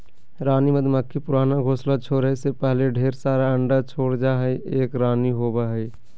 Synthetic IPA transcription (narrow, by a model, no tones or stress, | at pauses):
ɾaːniməd̪ʱməkʰːipʊɾaːnaɡʱoːslat͡ʃʰoːɾesepɛɦleɖʱeːɾsaːɾaə̃ɳɖat͡ʃʰoːɽd͡ʒaɦɛiʔeːkɾaːniɦoːbaɦɛi